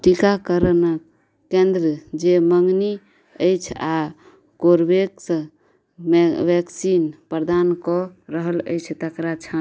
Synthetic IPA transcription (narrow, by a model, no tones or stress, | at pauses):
ʈikakəɾənəkː | ẽnd̪ɾəd͡ʒeməŋni | əjt͡ʃʰa | koɾbeksə̃ | ʋɛksinpɾd̪ankɔɾəɦələ̰jt͡ʃʰt̪əkɾat͡ʃʰa